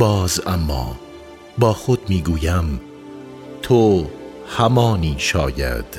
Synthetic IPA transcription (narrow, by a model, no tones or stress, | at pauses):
bɒːzæmːɒ̰ː | bɒːxod̪̚miːɡuːjæm | t̪ʰo | hæmɒːniːʃɒːjæ̰d̪̥